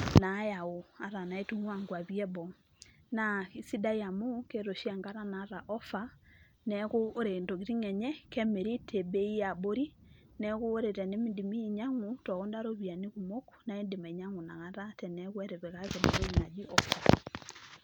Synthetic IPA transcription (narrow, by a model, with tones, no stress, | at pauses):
na˨˦ja˨o˨a˨ɾa˨na˨e˦tu˦ŋwa˦ŋɡwa˨βiɛ˦bɔ˨ | na˨i˨si˦da˦ja˨mu˦ke˦ɾo˨ʃi˦a˨ŋɡa˦ɾa˦naː˨˦ɾa˨ʔɔ˦fa˦ | nɛɣoː˦ɾe˨ndo˨ɣi˨ɾi˦ŋɛ˨ɲɛ˦kɛ˦me˨ɾi˦tʰe˨be˦i˦ja˨bo˦ɾi˦ | nɛ˦ɣo˦o˦ɾe˨ɾɛ˨ne˦mi˦di˨mi˦˨ɲa˦ŋu˦tɔ˨ɣɔ˦ndaɾo˦βia˨ni˦ɣu˨mo˦ku̥na˨e˦nde˨ma˨i˨ɲa˦ŋu˨na˨ɣa˦ɾa˦tɛ˨nɛɣwɛ˦ɾe˨βe˨ɣa˦ɣe˨na˨ɾo˦ɲa˨d͡ʒi˦ʔɔ˨fa˨